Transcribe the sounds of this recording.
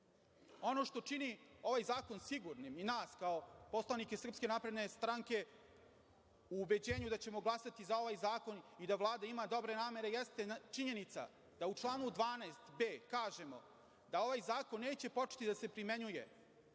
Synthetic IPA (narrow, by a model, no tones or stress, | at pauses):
o̞no̞ʃt̪o̞t͡ʂinio̞ʋajzaːko̞nsiɡuɾniminaːskao̞po̞slˠanike̞sr̩pske̞napɾe̞d̪ne̞st̪ɾaŋke̞ | uːbe̞d͡ʑe̞ːɲud̪at͡ɕe̞mo̞ɡlˠasat̪izao̞ʋajzaːko̞nid̪aʋlˠaːd̪aimad̪o̞bɾe̞naːme̞ɾe̞jest̪e̞t͡ʃiɲe̞nit̪sa̰ | d̪̥aut͡ʂlˠaːnud̪ʋaːnast̪be̞ːkaːʒe̞mo̞̰ | d̪ao̞ʋajzaːko̞nːe̞ːt͡ɕe̞po̞t͡ʃe̥t̪id̪ase̞pɾime̞ɲuje̞̰